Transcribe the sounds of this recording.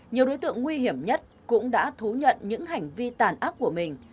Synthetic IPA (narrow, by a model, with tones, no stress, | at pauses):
ɲi˨˩əwɗo˨˦jt̪ɨ̰˧˨əŋːwi˧ɦi˧˩əmɲə˦˥t̚kʊ̰˧˥ŋ͡mɗa̰ː˧˥t̪ʰu˨˦ɲə̰˧˨nɲɨ̰˧˥ŋɦa˨˩jŋ̟vi˧t̪aː˨˩nʔaː˦˥p̚ku˧˩əmï˨˩ŋ̟